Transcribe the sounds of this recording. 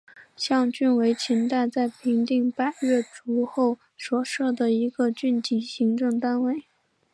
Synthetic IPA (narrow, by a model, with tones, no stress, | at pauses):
ɕjɑ˥˧ŋt͡ɕy˥˩nwe˧˥ɪt͡ɕʰi˧˥nt̪a˥˧ɪt͡sa˥˩ɪpʰi˧˥ŋt̪i˥˧ŋpa˥ɥɛ˥˩ʈ͡ʂu˧˥xo˥˩ʊ | swɔ˨˩ʂɤ˥˩d̪ə˩i˧˥ɡə˧t͡ɕy˥˩nt͡ɕ̪i˧˨˩ɕi˧˥ŋʈ͡ʂɤ˥˩ŋt̪a˥nwe˥˩ɪ